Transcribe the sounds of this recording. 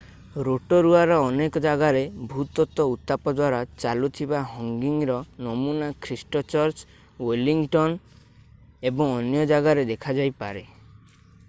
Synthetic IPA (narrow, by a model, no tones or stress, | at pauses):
ɾoʈɔɾuaɾɔɔnekɔd͡ʒaɡaɾebʱut̪ɔt̪ɔut̪ːapɔd̪waɾat͡ʃalut̪ʰibaɦɔŋɡiŋɾɔnɔmunakʰɾisʈɔt͡ʃɔɾt͡ʃ | weliŋʈɔn | ebɔŋɔnjɔd͡ʒaɡaɾed̪ekʰad͡ʒajpaɾe